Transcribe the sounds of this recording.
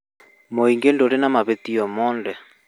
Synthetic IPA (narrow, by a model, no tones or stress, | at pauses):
moiŋɡendoɾenamaβetiɔmɔːndɛ